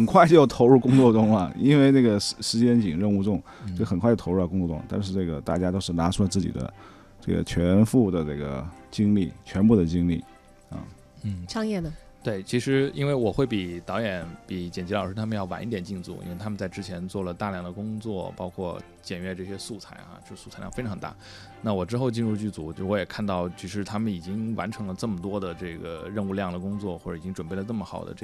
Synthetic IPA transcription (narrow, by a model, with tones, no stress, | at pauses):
xə˨˩nkʰwa˥˧ɪt͡ɕjo˥˩ʊt̪ʰo˧˥ʊɻu˥˩kʊ˥ŋt͡swɔ˥˧˩ʈ͡ʂʊ˥ŋɐ˨i˥nwe˥˧ɪnə˥˩ɡə˩ʂʂɻ̩˧˥t͡ɕjɛ˥nt͡ɕi˨˩ŋɻə˥˧nu˥˧ʈ͡ʂʊ˥˩ŋ | t͡ɕo˥˧˩xə˨˩nkʰa˥˩jo˥˩tʰo˧˥˧kʊ˥ŋt͡swɔ˥˧ʈ͡ʂʊ̰˥ŋt̪a˥˧nʂ̬ɻ̩˥˧ʈ͡ʂɤ˥˩ɡə̰˩t̪a̰˥˩t͡ɕja˥t̪o˥ʊʂ̩˥˩na˧˥ʈ͡ʂʰu˥lə˧t͡sɹ̩˥˩t͡ɕḭ˨˩d̪ə̰˦ | ʈ͡ʂɤ˥˩ɡə̰˩t͡ɕʰɥɛ˧˥nfu˥˩d̪ə˩ʈ͡ʂɤ˥˩ɡə̰˩t͡ɕi˥ŋlḭ˥˩t͡ɕʰɥɛ˧˥npu˥˩d̪ə˩t͡ɕi˥ŋli˥˩ | ɐ̰˧˩ | ʈ͡ʂʰɑ˥ŋjɛ˥˩nə˩ | t̪we˥˩ɪt͡ɕʰi˧˥ʂɻ̩˧˥i˥nwe˥˩ɪwɔ˨˩xwe˥˩ɪpi˨˩t̪ɑ˧˥ʊjɛ˨˧˥npi˨˩t͡ɕjɛ˨˩nt͡ɕlɑ˨˩ʊʂɻ̩˥t̪ʰa˥mə˧njɑ˥˩ʊwa̰˧˥ni˥˩t̪jɛ˨˩nt͡ɕi˥˧nt͡sṵ˥˩ḭ˥e˥˧˩t̪ʰa˥mə˧nt͡sa˥˧ɪʈ͡ʂɻ̩˥t͡ɕʰjɛ˧˥nt͡swɔ˥˩lə˩t̪a˥˧ljɑ˥˩ŋd̪ə˩kʊ˥ŋt͡swɔ˥˩pɑ˥ʊkʰwɔ˥˩ | t͡ɕjɛ˨˩nɥɛ˥˧ʈ͡ʂɤ˥˩ɕjɛ˥su˥˩t͡sʰa˧˥ɪa̰˧˥˧su˥˩t͡sʰa˥ɪjɑ˥˩˧fe˥ɪʈ͡ʂʰɑ˧˥ŋt̪a̰˥˩ | na˥˩wɔ˨˩ʈ͡ʂɻ̩˥xo˥˧ʊt͡ɕi˥˧nɻu˥˧t͡ɕy˥˩t͡su˧˥˧wɔ˧˥jɛ˨˩kʰa˥˧nt̪ɑ˥˩ʊt͡ɕy˧˥ʂɻ̩˥˩t̪ʰa˥mə˨ni˨˩t͡ɕi˥ŋwa˧˥nʈ͡ʂʰɤ˧˥ŋlə˧ʈ͡ʂɤ˥˩mə˩t̪wɔ˥d̪ə˨ʈ͡ʂɤ˥˩ɡə̰˩ɻə˥˧nu˥˧ljɑ˥˩ŋd̪ə˩kʊ˥ŋt͡swɔ˥˩xwʈ͡ʂɤ˧˩i˨˩t͡ɕi˥ŋʈ͡ʂə˨˩npe˥˩ɪlə˩nɤ˥˩mə˩xɑ˨˩ʊd̪ə̰˦ʈ͡ʂ